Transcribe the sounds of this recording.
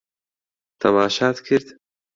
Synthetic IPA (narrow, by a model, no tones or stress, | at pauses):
t̪ʰɐmaːʃɑːt̪kʰeɾd̪